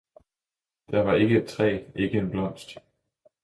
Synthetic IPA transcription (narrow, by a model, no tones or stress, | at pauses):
d̥ɑʋɑ̈e̝ɡ̥əe̥t͡sʰʁɛ̰ːe̝ɡ̥əe̝nb̥lɒ̽m̰sd̥